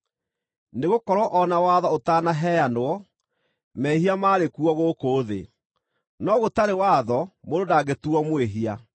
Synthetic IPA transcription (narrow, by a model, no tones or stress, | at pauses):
neɣokɔɾɔʔɔnawaːðɔotanaɦɛjanoɔ | mɛhiamaːɾekuɔɣokoːðḛ | nɔɣotaɾewaːðɔmododaɡetuɔmweɦia